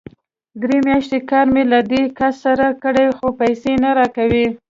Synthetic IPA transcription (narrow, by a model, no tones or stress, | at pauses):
d̪ɾemjɑʃt̪ekɑɾmelad̪ekasːaɾakəɽajxopajsenaɾɑkawi